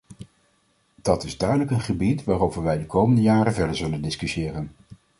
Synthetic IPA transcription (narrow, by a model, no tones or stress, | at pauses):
d̥ɑtɪzdœɥdələkənχəbitʋaːrowvəɹʋɛjdəkowməndəjaːrəvɛdəɹzɵləndɪskysɪːrən